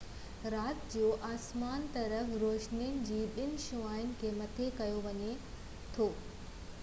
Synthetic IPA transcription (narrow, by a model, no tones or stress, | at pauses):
ɾaːt̪d͡ʑoːʔaːsmaːnt̪ɐɾəfɾoːʃniənɪ̆d͡ʑiːɓɪnɪ̆ʃuaːɪʊnɪ̆kʰeːmɐt̪ʰekɐjoʋɐɲe | t̪ʰoː